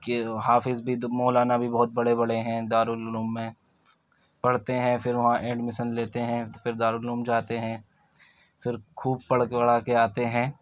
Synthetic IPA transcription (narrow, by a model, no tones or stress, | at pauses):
keɦaːfɪzbʱimɔːlaːnabʱibɔːʊt̪̚bɐɽebɐɽeɦɛ̃d̪aːɾuluːmːẽ | pɐɽ̤t̪eɦɛ̃fɪɾʋɐɦãʔẽːɳɖmɪʃənleːt̪eɦɛ̃fɪɾd̪aːɾuluːmd͡ʒaːt̪eɦɛ̃ | fɪɾkʰuːb̚pɐɽ̤ɐɽ̤aːkeaːt̪eɦɛ̃ː